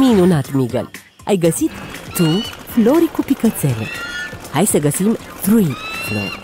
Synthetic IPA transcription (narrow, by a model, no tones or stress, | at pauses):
minonat̪miɡɐ̰l | ɐ̰jɡəsit̪t̪ufʰloɾikupikət͡sɛlə̰hajsəɡɐsimt̪ɾuifʰlɔ̰ɾ